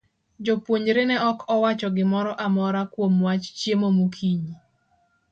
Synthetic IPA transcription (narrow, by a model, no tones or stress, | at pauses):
d͡ʒopwoɲɾenɛɔkʰɔwat͡ʃɔɡɪmɔɾɔʔamɔɾakwomwat͡ʃt͡ʃjemomokʰiɲi